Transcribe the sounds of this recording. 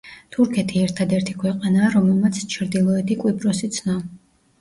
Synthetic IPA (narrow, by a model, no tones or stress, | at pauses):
t̪ʰuɾkʰɛt̪ʰiɛɾt̪ʰad̪ɛɾt̪ʰi̥kʰwɛqʼanaːɾɔmɛlˠmat̪sʰt͡ʃʰɾd̪ilˠɔɛt̪ʰikʼwipʼɾɔsit̪sʰnɔ